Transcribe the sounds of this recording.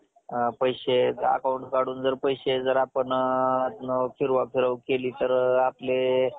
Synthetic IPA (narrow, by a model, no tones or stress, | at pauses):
pəjɕea̰kauɳʈkaɽuːnd͡zəɾpəjɕed͡zəɾapəɳat̪nəfʰiɾʋafiɾəwkeliːt̪əɾaple